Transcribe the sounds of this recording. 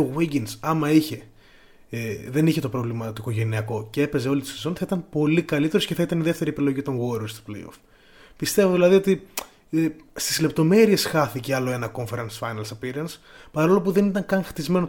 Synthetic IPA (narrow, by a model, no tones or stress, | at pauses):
oɣiɟinsɐmɐiçe̞ | ðe̞niçe̞t̪o̞pɾo̞vlimɐt̪oiko̞ʝe̞niɐko̞cee̞pe̞ze̞o̞lit̪isosonθɐit̪ɐmpo̞likɐlit̪eɾosceθɐit̪ɐniðe̞ft̪e̞ɾiepilo̞ʝit̪o̞ŋɣoɾost̪o̥plḛjo̰f | pist̪e̞voðilɐðio̞t̪i | st̪izle̞p̚t̪o̞me̞ɾie̞sxɐθiceɐlo̞e̞nɐko̞ɱfe̞ɾɐnsfɐjnɐlsɐpiɾɐns | pɐɾo̞lopuðe̞nit̪ɐŋkɐŋxt̪izme̞no